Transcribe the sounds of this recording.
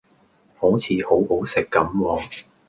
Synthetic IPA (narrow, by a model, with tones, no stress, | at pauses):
ho˨˥wt͡sʰiː˨˧ho˨˥who˨˥wsɪ˨kːɐ˨˥mwɔː˨˧ŋ